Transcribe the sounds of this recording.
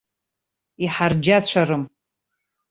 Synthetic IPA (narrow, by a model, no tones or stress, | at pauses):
iħard͡ʒat͡ɕʷʰarɨm